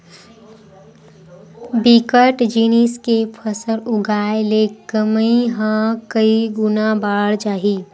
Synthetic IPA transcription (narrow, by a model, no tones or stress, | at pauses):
bikəʈd͡ʒiːniskepʰəsəɾʊɡʱaːelekəmĩɦãkəiɡʊnabaːɽd͡ʒaːɦiː